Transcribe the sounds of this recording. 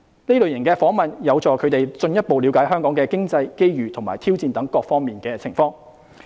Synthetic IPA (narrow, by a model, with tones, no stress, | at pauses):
ne˥lɵ˨ɥjɐ˨˩kɛː˧fɔː˨˥ŋmɐ˨˩njɐ˨˧wt͡sɔː˨kʰɵ˨˧ɥt̪e˨˩jt͡sɵ˧njɐ˥t̚po˨wli˨˧wkaː˨˥jɦœː˥ŋkɔː˨˥ŋkɛː˧kɪ˥ŋt͡sɐ˧jke˥jɥyː˨˩t̪ʰʊ˨˩maː˨˩jt̪ʰiː˥wt͡siː˧nt̪ɐ˨˥ŋkɔː˧k̚fɔː˥ŋmiː˨nkɛː˧t͡sʰɪ˨˩ŋfɔː˧ŋ